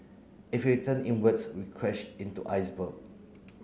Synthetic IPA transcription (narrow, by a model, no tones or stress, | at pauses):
ifitə̃nĩnwətsɹikʰɹɛʃtĩntṵʔa̰jsbəɡ̚